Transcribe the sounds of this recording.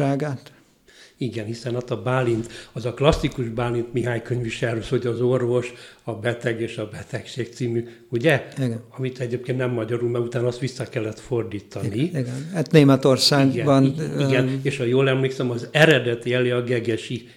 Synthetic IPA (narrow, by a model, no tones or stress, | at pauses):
aːɡaːt̪ | iɡɛnhisɛnɒt̪ɒbaːlːint̪ɒzɒklɒsːikuʒbaːlint̪miɦaːɲkøɲviʃɛɾøsho̞ɟɒzo̞rvo̞ʃɒbɛt̪ɛɡeːʃɒbɛt̪ɛkʃeːk̚t̪siːmy | uɟɛiɡɒmit̪ɛɟeːp̚keːnnɛmːɒɟɒɾulmɛɡut̪aːnɒst̪ʋisːɒkɛlːɛt̪fo̞rd̪iːt̪ʰɒniɡnat̪neːmɛt̪orsaːɡɛbɒniɡɛneːʃɒjoːlɛmleːksɛmɒzɛɾɛd̪ɛt̪iɛleːɒɡɛɡɛʃi